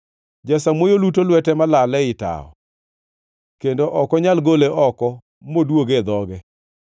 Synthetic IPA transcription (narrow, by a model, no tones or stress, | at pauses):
d͡ʒasamwojolutolwɛtɛmalalɛɪta̰ɔ̰ | kendoʔɔkɔɲalɡoleʔɔkɔ | modwoɡed̪ɔɡɛ